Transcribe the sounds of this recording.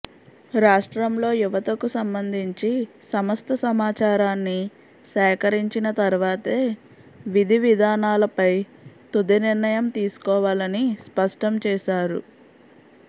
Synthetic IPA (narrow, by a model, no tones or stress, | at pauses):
ɾaːʂʈɾɐmlo̞ːjuʋɐt̪ɐkusɐmbɐnd̪ʱiɲt͡ʃi | sɐmɐst̪ʰɐsɐmaːt͡ʃaːɾaːnːi | sɛːkɐɾiɲt͡ʃinɐt̪ɐɾuʋaːt̪eː | ʋid̪ʱiʋid̪ʱaːnaːlɐpɐj | t̪ud̪iniɾnɐjɐmt̪iːsu̥kɔːʋaːlɐnispɐʂʈɐmt͡ʃɛːʃaːɾṵ